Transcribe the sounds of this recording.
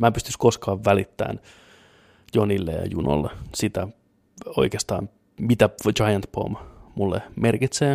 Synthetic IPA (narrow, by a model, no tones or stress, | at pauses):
mæːpyst̪yskoskɑːʋːælit̪ːæ̰ːn | jonilːḛɑ̰juno̰lːesit̪æ | o̞̰ikeːst̪ɑ̰ːm | mit̪æd͡ʒɑjɑnt̪po̰mmulːḛmerkit̪seː